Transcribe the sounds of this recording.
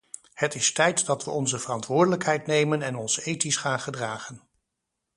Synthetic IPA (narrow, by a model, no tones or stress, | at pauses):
hətɪstɛjtdɑtʋəʔɔnzəvərɑntʋʊːɹdələkɦɛjtnejmənɛnɔnzəejtisχaːnχədraːχən